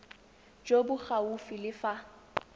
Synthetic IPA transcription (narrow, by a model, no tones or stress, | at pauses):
d͡ʒobʊχaufilɪfa